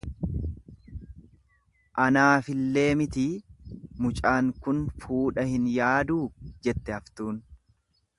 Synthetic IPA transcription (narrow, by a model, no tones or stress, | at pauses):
ʔɐnaːfɪlːe̞ːmɪt̪iːmʊt͡ʃʼaːŋkʊnfuːᶑɐhɪnjaːd̪uːd͡ʒɛt̪ːɛɐft̪uːn